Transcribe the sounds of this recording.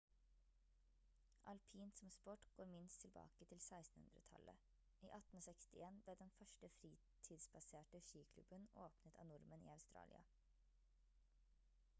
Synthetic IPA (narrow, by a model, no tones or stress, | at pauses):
ʔɑlpʰiːnsɔmspɔʈɡ̥oːɾmɪnst̪ʰɪlbɑ̰ːkət̪ʰɪlsæɪst̪n̩hʉ̰nd̪ɾə̰t̪ʰɑ̰lə̰ | ʔiːʔɑt̪n̩oːsɛkst̪ɪeːnbleːd̪ɛnfœʃʈəfɾiː | t̪ʰid̪sbɑseːʈəʃiːkʰlʉ̰bəno̰ːpnət̪ʰɑ̰ːnʊɾmənḭːɑʉst̪ɾɑ̰ːlʔɪ̰ɑ̰